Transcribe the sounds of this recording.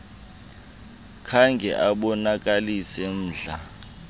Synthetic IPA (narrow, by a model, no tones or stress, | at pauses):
kʰaŋɡʱɛ̰ʔaɓɔnak̬ʼalisɛn̩ːɮa